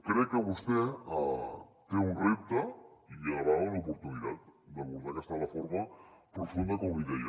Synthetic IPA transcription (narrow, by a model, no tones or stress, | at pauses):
kɾekeβust̪eat̪eunrip̚t̪aiaβaunaopoɾt̪uniðat̪d̪eβuɾðaɾest̪aðafoɾmapɾofund̪akoβiðeja